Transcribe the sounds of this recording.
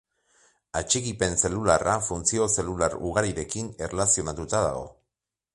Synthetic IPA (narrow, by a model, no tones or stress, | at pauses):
at͡ʃikipe̞nse̞lularʔafunt͡sio̞se̞lulaɾuɣaɾiɾe̞kine̞relasio̞nat̪ut̪aða̰ɣ̞o̞̰